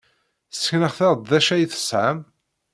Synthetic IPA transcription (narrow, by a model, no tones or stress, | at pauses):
θsə̥çnəʁθɑʁˤd̪ðæʃæjθə̥sʕəm